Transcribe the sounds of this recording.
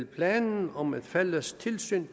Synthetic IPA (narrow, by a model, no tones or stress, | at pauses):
lpʰlɛːnn̩ɒ̽mæd̥fæləst͡sʰe̝lsy̰ːn